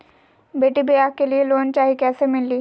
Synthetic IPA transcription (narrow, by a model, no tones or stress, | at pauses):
beːʈibejaːkelieloːnt͡ʃaːɦikɛːsemɪlːiː